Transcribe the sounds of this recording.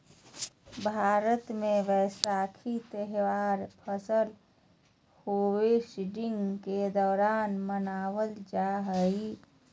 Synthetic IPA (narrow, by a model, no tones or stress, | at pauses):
bʱaːɾət̪mẽʋɛsaːkʰit̪əɦʋaːɾpʰəsəl | hoːesiɖɪŋɡked̪ɔːɾaːnmənaːwəld͡ʒaɦəi